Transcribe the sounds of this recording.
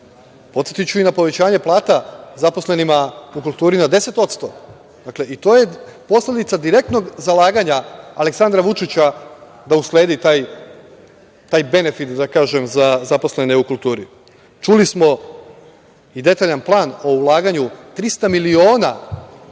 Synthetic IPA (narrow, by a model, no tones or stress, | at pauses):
po̞t̪sjet̪it͡ɕuinapo̞ʋe̞t͡ɕaːɲe̞plˠaːt̪azapo̞sle̞nimaukulˠt̪uːɾinad̪e̞se̞t̪o̞t̪st̪o̞ | d̪̥akle̞ʔit̪o̞ːje̞po̞sle̞d̪it̪sad̪iɾe̞k̚t̪no̞ɡzalaːɡaɲaːle̞ksand̪ɾaʋut͡ʃit͡ɕa | d̪ausle̞ːd̪it̪aːj | t̪aːjbe̞ne̞fit̪d̪akaːʒe̞mzazapo̞sle̞neukulˠt̪uːɾi | t͡ʃulismo̞ | id̪e̞t̪aʎanplˠaːno̞ulˠaːɡaɲut̪ɾist̪amilio̞ːna